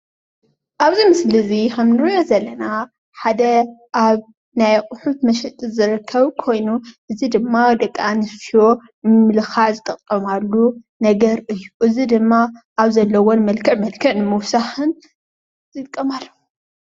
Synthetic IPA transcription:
ʔaβzimɨslɨzixɐmnɨɾɨjozɐlːɐna | ħad̪ɐʔaβ | najqʼʊħut̪mɐʃɛt̪ʼɨzɨɾɨkʰːɐβkʰo̞jnuʔɨzid̪ɨmːad̪ɐkʼːanɨsfijo̞ | nɨmmːɨlɨxaʕzɨkʼɐt̪ʼːɐmalːu | nɐɡɐɾʔɨjːuʔɨzid̪ɨmːaʔaβzɐlːɐwonmɐlkʰɐʕmɐlkʰɐnɨmɨwsaħɨn | zɨlkʼːɐmalːo

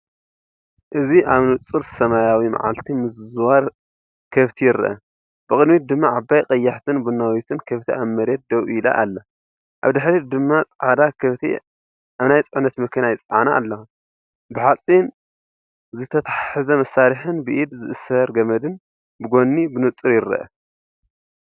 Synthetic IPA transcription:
ʔɨziʔaβnɨt͡sʼɨɾsɐmajawima̰ʕa̰lt̪ʰimɨzzwaɾ | kʰɐβt̪ʰijɪɾɨʔɐ̰ | b̥ɨkʼɨd̪mit̪̚d̪ɨmːaʕabːajqʼɐjːaħt̪ʰɨnbunːawit̪ʰɨnkʰɐβt̪ʰiʔamːɐɾet̪̚d̪ɐwila̰ʔa̰lːɐ | ʔaβd̪ɨħɾid̪ɨmːat͡sʼʕad̪akʰɐβt̪ʰḭ | ʔaβnajt͡sʼɨʕnɐt̪mɐkʰɐnajt͡sʼɐʕana̰ːlːɐu | bɨħat͡sʼin | zɨt̪ʰɐt̪ʰaħɨzɐmɐsːaɾiħɨnbɨʔid̪zɨʔɨsɐɾɡɐmɐd̪ɨn | bɨɡo̞nːibɨnɨt͡sʼɨɾjɪɾɐ̰ʔɐ̰

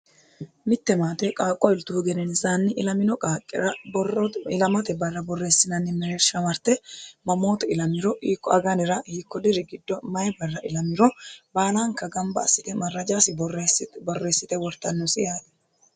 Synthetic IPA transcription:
mɪt̪ːɛmaːt̪ɛkʼaːkʼːɔɪlt̪uːɡɛnɛnɪsaːnːɪʔɪlɐmɪnɔkʼaːkʼːɪ̰ɾɐ | ɪlɐmɐt̪ɛbɐrːɐbɔrːe̞ːsːɪnɐnːɪmɛɾeːɾʃɐmɐɾt̪ɛmɐmo̞ːt̪ɛɪlɐmɪɾɔʔiːkːɔɐɡɐnɪɾɐhiːkːɔd̪ɪɾɪɡɪd̪ːɔmɐjɛbɐrːɐʔɪlɐmɪɾɔbaːlaːŋkɐɡɐmbɐɐ̰sːɪt̪ɛmɐrːɐd͡ʒaːsɪbɔresbɔrːe̞ːsːɪt̪ɛwɔɾt̪ɐnːɔsɪjaːt̪ɛ̥

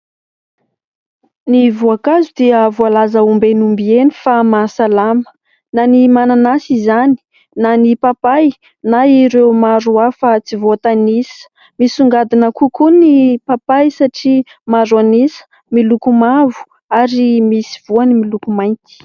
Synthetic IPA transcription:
nivuakazud̪iəvoalazəumbenumbienifamasalamə̥ | nanimananasizani̥ | nanipapaj | naiɾewmaɾuafat͡sivoat̪anisə̥ | misuŋɡad̪inakukunipapajsaʈ͡ʂi | mazuanisə̥ | milukumavu̥ | aɾimisiv̥uanimilukumajnt̪i̥

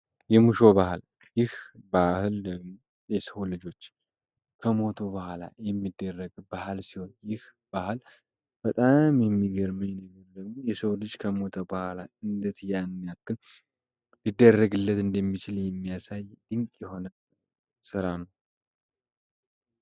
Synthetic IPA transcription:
jɛmuʃo̞bahɨl | jɪhbahɨl | jɛsəwlɨd͡ʒo̞t͡ʃː | kʰəmo̞t̪ʰobahala̰jɛmːid̪ːərːəɡbahlsiho̞njɪh | b̥ahɨl | b̥ət̪ʼamjɛmːiɡəɾmɨjɛnəɡəɾd̪əɡmo̞jɛsəwlɨd͡ʒkʰəmo̞t̪ʰəbahalaɨnd̪ɨt̪janmːijakːɨl | lɨd̪ːərːəɡɨlːət̪ɨnd̪əmːit͡ʃɪljɛmːijasajd̪̥ɨŋkʼjɛho̞nə | sɨɾanəw

